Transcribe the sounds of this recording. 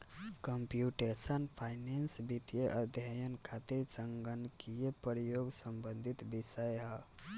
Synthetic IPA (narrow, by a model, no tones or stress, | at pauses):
kəmpjuʈesənpʰaɪnensbit̪jeʔəd̪ʱjəjənkʰat̪iɾsəŋɡənkijepɾijoɡsəmbənd̪ʱit̪bisəjɦə